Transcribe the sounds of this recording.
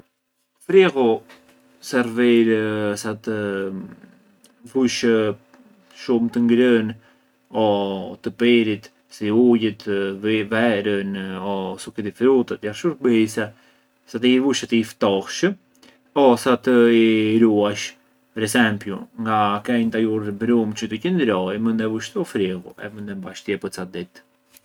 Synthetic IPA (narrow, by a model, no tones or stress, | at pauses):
fɾɛɣu | sɛɾvɛɾsat̪ə | vuʃ | ʃumt̪əŋɡɾən | ɔt̪əpɛɾit̪ | siujət̪vɛɾənɔsukit̪ifɾut̪ət̪jafʃuɾbəjsɛ | sat̪iivuʃat̪ift̪ɔhʃə | ɔsat̪əiɾuaʃ | pɛɾɛsɛmpjuŋɡakɛɲt̪ajuɾbɾumt͡ʃət̪əcənd̪ɾɔjmənd̪ɛvuʃt̪əufɾiɣuɛ̰mənd̪ɛmbaʃt̪iɛpət͡sad̪it̪